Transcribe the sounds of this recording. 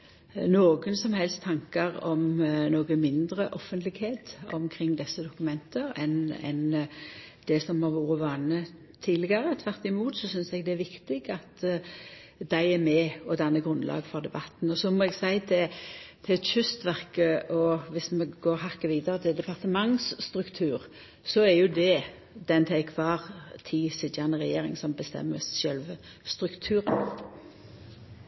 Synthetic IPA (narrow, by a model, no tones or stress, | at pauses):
noːɡənsɔmhɛlst̪ʰːɑŋkɑʁɔmnoːɡəmɪnd̪ɾəʔɔfːənt̪lɪɡheːt̪ɔ̰mkʰɾɪŋːd̪ɛsːəd̪ʊkʉmɛnt̪əɾɛ̰nɛ̰n | d̪̥ɛsɔmhɑɾʋuːɾəʋɑːnə | t̪ʰiːd̪lɪɡɑʁət̪ʰʋæʁt̪ɪmuːt̪sɔsʏnsɛɡd̪ɛæɾʋɪkt̪ɪɡɑt̪ | d̪̥æɪæmɛɔd̪ɑnːəɡʁʉnlʔɑ̰ːɡfɔʁd̪ɛbɑt̪n̩ɔsɔmɔɛɡsæɪt̪ʰɛt̪ʰɪɛt̪ʃʏst̪ʋæʁkəʔɔʋɪsmɛɡoːɾhɑkːəʋiːd̪əʁət̪ʰɪd̪ɛpɑʁt̪əmɑŋsst̪ʁʉkt̪ʰʉːʁ | sɔæɾjʊd̪ɛ | d̪̥ɛnt̪ʰɛɪkʰʋɑːʁt̪ʰisɪt̪jɑnəʁɛjeːʁɪ̰ŋsɔmbəst̪ɛ̰mːəssœlʋə | st̪ʁʉkt̪ʰʉːɾə̰n